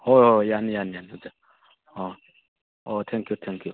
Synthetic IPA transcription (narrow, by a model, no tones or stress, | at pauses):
oojanjanjanoze | o | ot̪ʰɛ̃ŋkjut̪ʰɛ̃ŋkju